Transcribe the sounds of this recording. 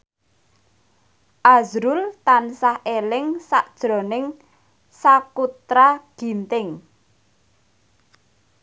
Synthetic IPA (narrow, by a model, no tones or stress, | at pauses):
ʔazɾʊlt̪ansahʔelɪŋsaʔd̥ʒ̥ɾɔ̤nɪŋ | sakut̪ɾaɡ̥i̤nt̪ɪŋ